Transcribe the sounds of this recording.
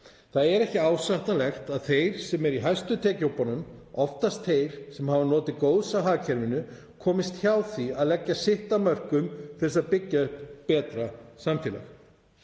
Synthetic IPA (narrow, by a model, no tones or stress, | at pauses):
θaðɛɾɛhcɪaːwsaht̪alɛxt̪aðθejɾ̥sɛmɛɾiɦajst̪ʏt̪ʰɛːcowpanʏmɔft̪ast̪θejɾ̥sɛmhavanɔːt̪ɪðkoːwðsaɦaːcʰɛɾvɪnʏ | kʰɔːmɪst̪çawθiaðlɛcːasɪht̪amœr̥kʏmθɛsaðpɪcːapɛːt̪ɾasamfiːla̰x